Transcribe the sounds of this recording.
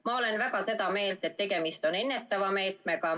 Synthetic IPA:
mɑo̞le̞nvækɑse̞d̪ɑme̞ːlt̪et̪ːe̞ɡ̥e̞mist̪o̞ne̞nːe̞t̪ːɑvɑme̞ːt̪me̞kɑ

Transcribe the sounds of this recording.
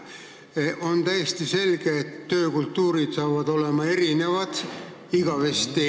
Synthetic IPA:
ʔo̞nt̪æjest̪ise̞lɡ̥eːt̪ːø̞ːkult̪ːuːɾid̪̥sɑːvɑd̪o̞le̞mɑe̞ɾine̞vɑd̪̥ | iɡ̥ɑve̞st̪ːi

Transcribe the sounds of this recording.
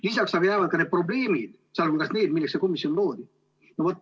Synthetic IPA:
lisɑksɑɡɑjævɑd̪̚kɑne̞d̪pro̞ble̞ːmid̪̥ | sɑlkulkɑsne̞ːd̪̚milːekseko̞misio̞nlo̞ːd̪i | novot̪ːˑ

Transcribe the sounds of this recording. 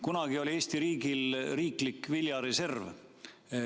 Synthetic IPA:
kunɑɡ̥io̞lʲie̞ːsʲt̪iɾiːɡilriːklikːvilʲjɑɾe̞se̞rv

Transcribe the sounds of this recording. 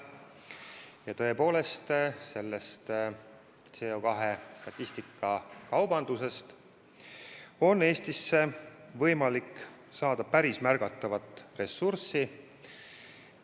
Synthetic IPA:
jɑt̪ɤ̞e̞po̞ːle̞st̪se̞lːe̞st̪ | t̪seokɑɦe̞st̪ɑt̪ʲːˑist̪ikːɑkɑwb̥ɑnd̪̥use̞st̪ | o̞ne̞ːst̪isːe̞vɤ̞jmɑlik | sɑːd̪̥ɑpæɾismærɡ̥ɑt̪ːˑɑvɑt̪ːˑre̞sːursi

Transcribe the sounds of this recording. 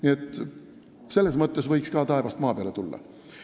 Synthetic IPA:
niet̪ːˑ | se̞lːe̞smɤt̪ˑːe̞svɤjkskɑːt̪ɑe̞vɑst̪mɑːpeɑ̰le̞t̪ulːɑ̰

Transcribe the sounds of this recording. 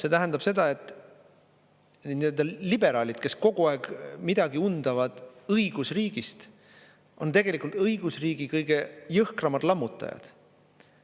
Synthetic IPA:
se̞t̪æɦænd̪̥ɑb̥se̞d̪ɑe̞t̪ːˑ | niøld̪̥ɑlibe̞ɾɑːlʲid̪̥ke̞sko̞ɡ̥uɑeɡ̥mid̪̥ɑɡiund̪̥ɑvɑd̪̥ɤjɡ̥usriːɡ̥ist̪ | o̞nt̪e̞ɡ̥e̞likːˑult̪ɤiɡ̥usriːɡ̥ikɤjɡ̥e̞jɤhkrɑmɑd̪̥lɑmːut̪ːˑɑ̰jɑ̰d̪̥

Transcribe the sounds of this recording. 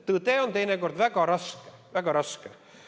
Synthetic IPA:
t̪ɯːt̪eːont̪ejneɡord̪ʋæɡɑɾɑske̥ʋæɡ̥ɑɾɑske

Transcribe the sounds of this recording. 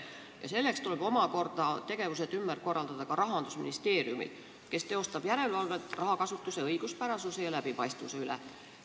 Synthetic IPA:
jɑ̰se̞lːe̞kst̪uleb̥o̞mɑko̞rd̪̥ɑt̪e̞ɡ̥e̞vus̬et̪ymːærko̞rːɑld̪̥ɑd̪̥ɑkɑɾɑɦɑnd̪usmḭnist̪e̞ːɾiumḭl | ke̞st̪e̞o̞st̪ɑb̥jæɾe̞lvɑlvet̪ːˑrʔɑɦɑkɑsut̪ːˑuse̞ɤjɡ̥uspæɾɑsusejɑlæb̥ipɑjst̪vuse̞ylḛ

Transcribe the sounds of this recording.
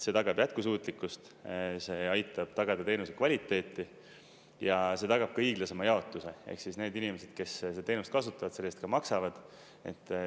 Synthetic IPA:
se̞t̪ɑɡɑb̥jæt̪̚kusuːt̪ˑlikːust̪ | se̞ɑjt̪ːˑɑb̥t̪ɑɡ̥ɑd̪̥ɑt̪e̞ːnusekvɑlʲit̪ːˑe̞ːt̪ːˑi | jɑse̞t̪ɑɡ̥ɑb̥kɑiːɡ̥lɑse̞mɑjɑo̞t̪ːˑuse̞ḛhksisne̞ːd̪inimese̞d̪̥̚ke̞sset̪e̞ːnust̪̚kɑsut̪ːˑɑvɑd̪̥se̞lːest̪̚kɑmɑksɑvɑd̪̥ | e̞̰t̪ːˑ

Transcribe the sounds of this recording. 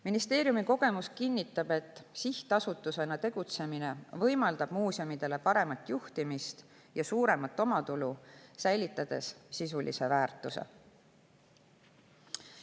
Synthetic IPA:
minist̪e̞ːɾjumiko̞ɡ̥e̞muskinʲːit̪ːˑɑb̥e̞t̪ːˑsiht̪ɑsut̪ːˑuse̞nɑt̪e̞ɡ̥ut̪se̞mine̞vɤjmɑld̪ɑb̥muːsiomid̪̥e̞le̞pɑɾe̞mɑt̪ːˑjuht̪imist̪ | jɑsuːɾe̞mɑt̪ːˑo̞mɑt̪ulusæjlit̪ːˑɑd̪̥e̞̰ssisulḭse̞væːrt̪ːˑuse̞̰

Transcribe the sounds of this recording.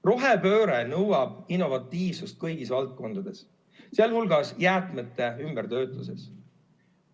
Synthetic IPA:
ro̞ɦepø̞ːɾenɤwɑb̥̚inːo̞vɑt̪ˑːiːvsust̪̚kɤjɡ̥isvɑlt̪̚ko̞nd̪̥ɑd̪̥e̞s | seɑlhulɡ̥ɑsjæːt̪ˑmet̪ːˑe̞ymb̥eɾt̪ø̞ːt̪ˑːuse̞s

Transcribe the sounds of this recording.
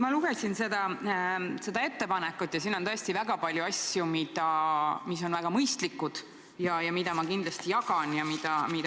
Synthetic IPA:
mɑluɡ̥e̞sinse̞d̪ɑ | se̞d̪ɑe̞t̪ːe̞pɑnɛkːˑut̪ːˑjɑsiːnːot̪ɤ̞est̪ivæɡ̥ɑpɑlʲjuɑsjumid̪ɑmis̬o̞nvæɡ̥ɑmɤjst̪likːˑud̪̥ | jɑjɑmid̪̥ɑmɑkind̪lɑst̪ijɑɡɑnjɑmid̪̥ɑmid̪

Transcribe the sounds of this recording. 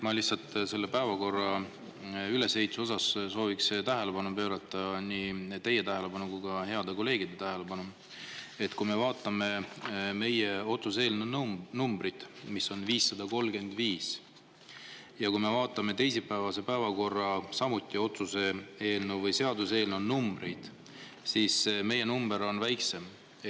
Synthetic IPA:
mɑlisɑlt̪ːˑse̞lːe̞pæevɑko̞rːɑ | yle̞she̞jt̪suo̞sɑsso̞ːvikst̪æɦe̞le̞pɑnupø̞ːɾɑt̪ːˑɑniːt̪e̞jːe̞t̪æɦe̞le̞pɑnukujkɑɦe̞ɑd̪eko̞lːe̞ːɡ̥id̪̥e̞t̪æɦe̞le̞pɑnu | e̞t̪kujme̞vɑːt̪ˑːɑme̞me̞je̞o̞t̪sus̬e̞ːlnunnumb̥ɾit̪miso̞nviːsːɑd̪̥ɑko̞lɡe̞nd̪̥viːs | jɑkujme̞vɑːt̪ˑːɑme̞t̪e̞jsipːæevɑse̞pæevɑko̞rːɑsɑmut̪ːˑio̞t̪susee̞ːlnuvɤjse̞ɑd̪use̞ːlnonumbre̞jd̪̥ | sisme̞je̞numbe̞ɾo̞nvæjkse̞m

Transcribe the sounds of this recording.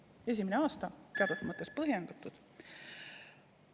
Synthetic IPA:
e̞s̬ʲimineɑːst̪ɑt̪eɑd̪̥ut̪ːˑɑmɑt̪ːˑespɤɦjend̪̥ɑt̪ːˑud̪̥

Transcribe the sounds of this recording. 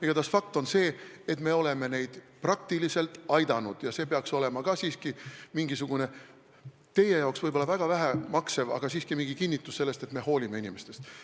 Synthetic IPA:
iɡ̥ɑt̪ɑsfɑk̚t̪o̞nse̞ːet̪me̞o̞le̞me̞ne̞jd̪̥ | prɑk̚t̪ilise̞lt̪ˑɑjd̪ɑnud̪̥jɑse̞ːpeɑkso̞le̞mɑkɑsiːskimiŋɡ̥isuɡ̥une̞ | t̪e̞je̞jɑoksvɤjbolːɑvæɡ̥ɑvæɦæmɑksevɑ̰ɡ̥ɑsiːskimiŋɡ̥ikinʲːit̪ːˑusse̞lːest̪e̞t̪me̞ɦo̞ːlʲime̞inime̞st̪e̞st̪

